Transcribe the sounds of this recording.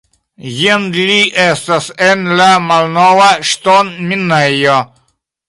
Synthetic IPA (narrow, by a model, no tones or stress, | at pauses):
jind̪liʔestasenlamalnowaʃtonminejo